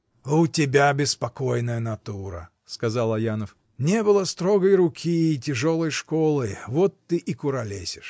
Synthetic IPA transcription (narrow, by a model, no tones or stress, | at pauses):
ʊtʲɪbʲabʲɪspɐko̞jnəjənɐt̪uɾə̰ | skɐzalˠɐjanəf | nʲebɨlˠəst̪ɾoɡəjɾʊkʲʰiːtʲɪʐolˠəjʂkolˠɨvot̪ːɨʔikʊɾɐlʲesʲɪʂ